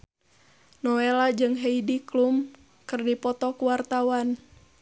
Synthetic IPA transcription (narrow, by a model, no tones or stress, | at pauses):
nɔelad͡ʒɨŋɦeidiklum | kɨrdipɔt̪ɔkuwart̪awan